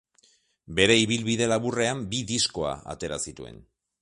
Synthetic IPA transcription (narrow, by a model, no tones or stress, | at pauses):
be̞ɾe̞iβ̞ilβiðe̞laβure̞ambiðisko̞a̰a̰t̪e̞ɾa̰sit̪ue̞̰n